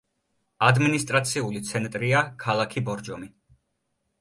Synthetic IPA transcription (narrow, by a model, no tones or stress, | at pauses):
ad̪minist̪ʼɾat̪sʰiulit̪sʰɛnt̪ʼɾiakʰalˠakʰibɔɾd͡ʒɔmi